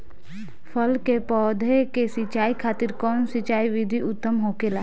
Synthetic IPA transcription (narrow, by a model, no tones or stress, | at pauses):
pʰəlkepɔːd̪ʱekesɪt͡ʃaːikʰaːt̪ɪɾkɔːnsɪt͡ʃaːiʋɪd̪ʱiʊt̪ːəmɦokelaː